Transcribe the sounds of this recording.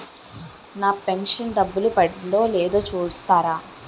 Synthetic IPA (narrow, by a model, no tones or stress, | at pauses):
naːpenʂɐnɖɐbːulupɐɽlo̞ːleːd̪o̞ːt͡ʃuːɽust̪aːɾaː